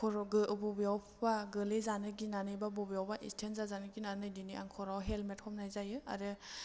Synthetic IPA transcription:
kʰɔɾɡɯbɔbjawpʰbaɡɯlezanɯɡinanɯjbabɔbijawbaʔḭstʰentzazanɯɡinanɯjdiniʔa̰ŋkʰɔɾawɦelmet̚hʰɔmnajzajɯa̰ɾɯ

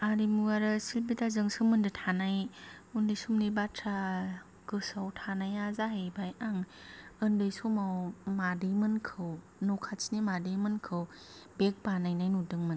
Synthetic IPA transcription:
aɾimuɡaɾɯsilbitazɯŋsɯmɯndɯtʰanaj | undɯjsumnibatʰɾa | ɡ̥ɯsawtʰanajazaɦejbajaŋɯndɯjsumawmadɯjmɯnkʰɯw | nokʰat͡ʃnimadɯjmɯnkʰɯw | bek̚banajnajnudɯŋmɯn

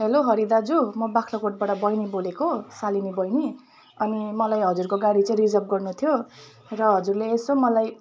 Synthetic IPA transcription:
ɦeloɦʌɾid̪ad͡zumʌbakʰlʌkoʈ̚baʈʌbʌjnibolekosalinibʌjni | ʌnimʌlajɦʌd͡zurkoɡaɽit͡saĩrid͡zʌp̚ɡʌrnut̪ʰjo | rʌɦʌd͡zurleːsomʌlaj

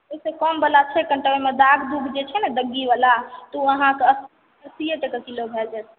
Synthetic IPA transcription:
esekɔmbəlat͡ʃʰɛkəɳʈəemed̪aɡʱd̪uɡʱd͡ʒet͡ʃʰɛnɛd̪əɡːiʋəlat̪uəɦãkeəs | əsijet̪ekəkilobʱɛld͡ʒɛt̪̚ʰ

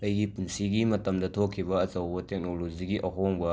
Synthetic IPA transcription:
lɐjɡipunsiɡimɐtɐmdɐtʰokʰːiβɐɐt͡sɐwbɐtek̚noloziɡiʔɐɦoŋbɐ

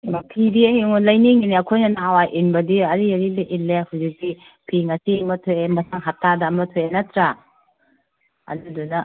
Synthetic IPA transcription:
mapʰibiɐɦiŋunlɐjniŋiniɐkʰojnɐnawajʔinbɐdiɐɾiɐɾibɐʔilːehawzik̚ti | pʰiŋɐsiŋmɐtʰojemɐsaŋɦatʰːadɐːmɐtʰojenɐtɾa | ɐ̰dudunɐ

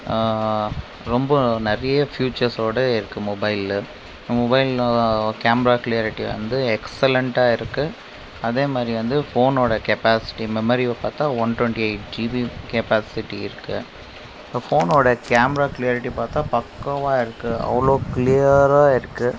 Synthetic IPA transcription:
ɾɔmbɐnɐɾɐjɐfjuːt͡ʃɐɾsoːɽɐɪɾɯkːɯmɔbɐɪl | mɔbɐɪlkaːmɾaːkɪlɪjaːɾɪʈːiʋɐ̰nd̪ɯɛksɛlɛɳʈaːɪɾɯkːɯ | ɐðeːmaːd̪ɾiʋɐnd̪ɯfoːnoːɽɐkɛpaːsɪ̥ʈːimɛmɐɾiʋpaːɾt̪ãːʋɐnʈwɛɳʈiɐɪʈ̚d͡ʒiːʋikɛpaːsɪʈːiɪɾɯkːɯ | foːnoːɽɐkaːmɛɾaːkɪlɪjaːɾɪʈːipaːɾt̪ãːpɐkːɐʋaːɪɾɯkːɯɐ̰ʋɐɭoːkɪlijɐɾaːɪɾɯkːɯ

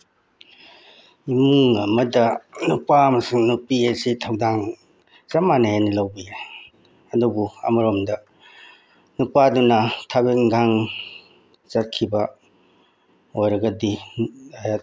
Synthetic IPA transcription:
imuŋɐmɐdɐnupaːmɐsiŋnupiesitʰawdaŋ | zɐmaneɦenilawbie | ɐdubuɐ̰mɐɾomdɐ | nupadunɐtʰabik̚ŋɡaŋ | zɐt̚kʰibɐ | ojɾɐɡɐdiajat

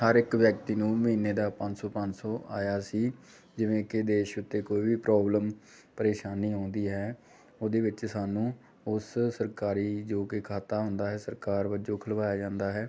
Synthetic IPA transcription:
həɾɪkʋjək̚t̪iːnũːməɦiːnːeːd̪aːpə̃ɲd͡ʒsɔːpə̃ɲd͡ʒsɔːʔa̰ːjaːsiː | d͡ʒɪʋẽːkɪd̪eːʃʊt̪ːeːkoːiːbiːpɾɔːbləm | pəɾeːʃaːnːiːɦõːnd̪iːɦɛː | oːd̪eːʋɪt͡ʃsaːnũː | ʊssəɾkaːɾiːd͡ʒoːkɪkʰaːt̪aːɦʊ̃nd̪aːɦɛːsəɾkaːɾʋəd͡ʒoːkʰəlʋaːjaːd͡ʒãːnd̪aːɦɛː

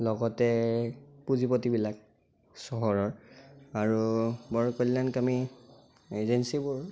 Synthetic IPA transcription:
lɔɡɔtɛ | puzipotibilak̚ | sɔɦɔɹɔɹaɹubɔɹkɔlːankami | ezensibʊɹ

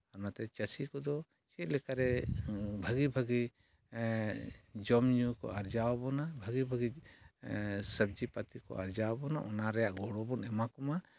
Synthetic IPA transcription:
amat̪ɛt͡ʃəsikɔd̪ɔ | t͡ʃit̪̚lɛkaɾɛbʱəɡibʱəɡi | d͡ʒɔmɲukɔ̰aɾd͡ʒawabɔnabʱəɡibʱəɡi | səb̚d͡ʒipat̪ikɔ̰ʔaɾd͡ʒawabɔnaʔɔnaɾɛjaʔɡɔɽɔbɔnɛmakɔma

